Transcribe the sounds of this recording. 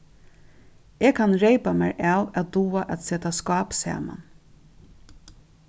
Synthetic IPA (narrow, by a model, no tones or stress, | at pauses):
eːkʰanɹeɪpamæɹʔaːwæt̪d̪uːaʔæt̪seːt̪askɑːpsæ̰ːma̰n